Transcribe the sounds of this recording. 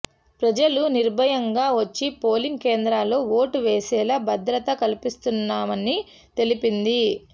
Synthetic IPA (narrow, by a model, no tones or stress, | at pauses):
pɾɐd͡ʒɐluniɾbʱɐjɐŋɡaːʋɐt͡ʃːipo̞ːliŋɡkeːnd̪ɾaːlo̞ːʋoːʈuʋeːsɛːlaːbʱɐd̪ɾɐt̪ɐkɐlipist̪unːaːmɐni | t̪e̞lipind̪i